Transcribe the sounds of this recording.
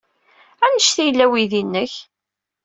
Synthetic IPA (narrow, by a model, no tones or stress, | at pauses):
ænəʃθijəlːæwiðinːəç